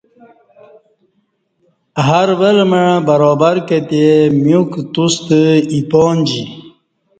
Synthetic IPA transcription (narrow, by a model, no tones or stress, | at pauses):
ɦaɾʋəlməɻbəɾɔːbaɾkət̪emjukt̪ust̪əipɔːnd͡ʑi